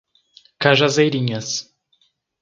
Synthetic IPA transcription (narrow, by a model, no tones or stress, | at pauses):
kaʒɐzejɾĩɲɐs